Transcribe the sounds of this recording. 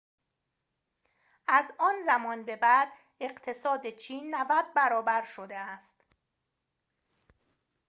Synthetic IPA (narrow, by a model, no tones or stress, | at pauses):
ʔæzɒːnzæmɒːnbe̞bæd̪ | e̞ɢt̪ʰe̞sɒːd̪et͡ʃʰiːnːævæd̪̚bæɾɒːbæɾʃod̪eæst̪